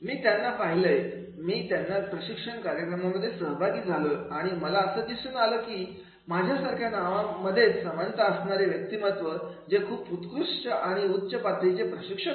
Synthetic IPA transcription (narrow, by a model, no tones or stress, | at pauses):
miːt̪janːapaɦiləje | miːt̪janːapɾəɕikʂəɳkaɾjəkɾəmaməd̪ʱːjesəɦbʱaɡiːd͡zʱaləaɽ̃iməlaəsəːd̪isuːnaləːkiː | mad͡ʑʱjasaɾkʰjanaʋaməd̪ʱːjet͡ssəʋənt̪əəsɳaɾeʋjək̚t̪imət̪ʋəɾd͡zekʰuːput̪kɾuʂʈəʔaɽ̃iutːɕəpat̪ɾit͡ɕepɾəɕikʂə